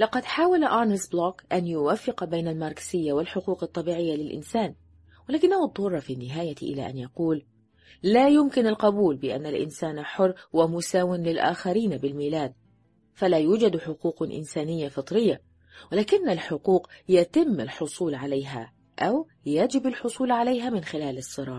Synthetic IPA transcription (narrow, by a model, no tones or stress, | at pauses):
lɑqɑd̪ħaːwalaʔɑɾˤnɪsblaːkʔanjʊwaːfːɪqbajnalmɑɾˤkḁzɪjːawɪlħʊquːqɑt̪ˤːɑbiːʕɪjːalɪlʔɪ̰nsaːn | wɪlaːkɪnːahʊd̪ˤːʊrˤːɑfinːɪɦaːjaʔɪ̰la̰ʔa̰njaquːl | laːjʊmkɪnalqɑbuːlbɪʔanːalʔɪ̰nsaːnaħʊrˤːwamʊsaːwɪnlɪlʔa̰ːxaɾiːnbɪlmiːlaːd̪̚ | falaːjuːd͡ʒad̪ħʊquːqʔɪ̰nsaːnɪjːafɨt̪ˤɾɪjːa | wɪlaːkɪnːalħʊquːqjat̪ɪmːalħʊsˤuːlʕalajɦa | ʔaw | jad͡ʒɪbalħʊsˤuːlʕalajɦamɪnxɪlaːlɨsˤːɨɾˤɑːʕ